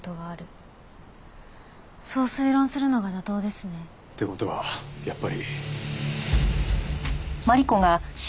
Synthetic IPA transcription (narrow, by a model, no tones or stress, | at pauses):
t̪oɡaːɾɯ̟ | so̞ːsɨiɾõɰ̃sɨɾɯ̟no̞ɡad̪at̪o̞ːd̪e̞sɨne̞ | t̪ːeko̞t̪o̞βa̰japːaɾʲi | maɾʲiko̞ɡaɕ